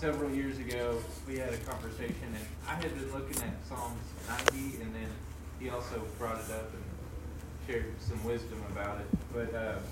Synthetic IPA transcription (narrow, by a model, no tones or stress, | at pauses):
sɛvɹl̩ˠjɪɹzɨɡoʊ | wiɨɾɨkʰɑ̃ɱvə˞seɪʃɨ̃nɨ̃n | a̰ɪɨd̚bɨ̃nlʊkɪ̃ŋɨt̚sɔŋz̥nãɪ̃ndiɨ̃nðɨ̃n | iɔlˠsoʊbɹɔɾɨɾʌpɨ̃n | t͡ʃʰɛɹdsʌ̃mwɪzdɨ̃məbaʊɾɨt̚b̥ʌt̚ʌ